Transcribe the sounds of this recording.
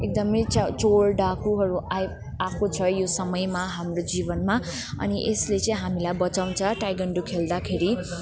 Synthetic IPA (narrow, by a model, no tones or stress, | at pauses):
ek̚d̪ʌmʌjt͡st͡soɽɖakuɦʌɾuaj | akot͡sʰʌjosʌmʌjmaɦamrod͡zibʌnma | ʌ̰niʔeslet͡sʌ̃ĩɦamilajbʌt͡saw̃nt͡sʰʌʈajɡʌɳɖukʰeld̪akʰeɾi